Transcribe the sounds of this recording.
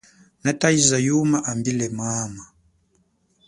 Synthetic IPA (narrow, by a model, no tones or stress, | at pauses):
nataizajumaʔambilɛmama